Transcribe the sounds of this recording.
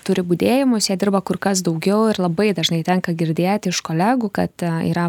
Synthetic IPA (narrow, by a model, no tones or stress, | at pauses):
t̪ʊɾʲɪbud̪ʲeːjɪmʊsjiɛd̪ʲɪɾrbɐkʊrkɐs̬d̪ɐʊɡʲɛʊɪrlˠɐbɐɪd̪ɐʒnɐɪt̪ʲɛŋkɐɡʲɪɾʲd̪ʲeːt̪ʲɪʃkoːlʲæːɡuːkɐ̰t̪ḭːɾɐ